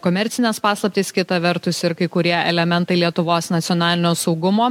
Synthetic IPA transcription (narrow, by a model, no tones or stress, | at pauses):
koːmʲɛɾʲtsʲɪnʲɛspɑːslˠɐp̚ʲt̪ʲiːskʲɪt̪ɐʋʲɛɾt̪ʊsɪɾkɐɪkʊɾʲiɛʔɛlʲɛmʲɛnt̪ɐɪlʲiɛt̪ʊʋoːsnɐt̪sʲɪɔːnɑːlʲɪnʲoːsɐʊɡʊmoː